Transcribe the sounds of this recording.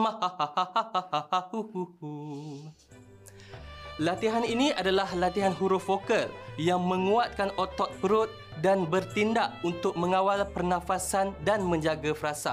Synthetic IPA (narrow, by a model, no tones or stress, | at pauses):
mahahahahahahahahuhuhu | lat̪iɦaninĩadalahlat̪iɦanɦuɾʊfokəljaŋmə̃ŋuat̪̚kanʔot̪ɔt̪̚pəɾʊt̪̚ | danbərt̪indaʔunt̪ʊk̚mə̃ŋawalpərnãfasandanmə̃ɲd͡ʒaɡafɾasa̰